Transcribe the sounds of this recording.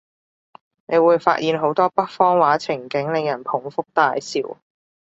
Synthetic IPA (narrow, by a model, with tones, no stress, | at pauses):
ne˨˧jwuː˨˧jfa̰ː˧t̚jiː˨˧nɦo˨˥wt̪ɔː˥pɐ˥k̚fɔː˥ŋwaː˨˥t͡sʰɪ˨˩ŋkɪ˨˥ŋlɪ˨ŋjɐ˨˩npʰʊ˨˩ŋfʊ˥k̚t̪aː˧jsiː˨˧w